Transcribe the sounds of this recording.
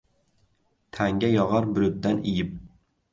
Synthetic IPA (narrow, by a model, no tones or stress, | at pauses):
t̪ʰaŋɡʲajɒʁɑɾbʊɾʊt̪d̪anɪjɪp̚